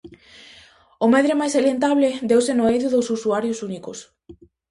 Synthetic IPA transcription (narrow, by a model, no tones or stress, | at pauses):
ʊmɛðɾemajsalent̪aβlɪd̪ewsenoejðʊðowsusuaɾjosunikʊs